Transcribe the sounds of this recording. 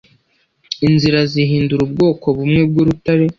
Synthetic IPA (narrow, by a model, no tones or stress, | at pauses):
inziɾaziɦiːnduɾubɡo̞ːko̞βumŋe̞b̚ɡuɾutaɾe̞